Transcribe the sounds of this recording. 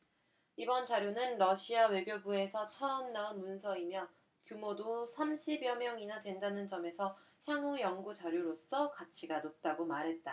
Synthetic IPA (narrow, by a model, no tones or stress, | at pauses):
ibʌnt͡ɕaɾjonɯnɾʌɕʰiawe̞ɡjobue̞sʰʌt͡ɕʰʌʌmnaunmunsʰʌimjʌ | kjumodosʰamɕʰibjʌmjʌŋinadwe̞ndanɯnd͡ʑʌme̞sʰʌ | çjaŋujʌŋɡut͡ɕaɾjoɾos͈ʌkat͡ɕʰiɡanop̚t͈aɡomaɾɦe̞t̚t͈a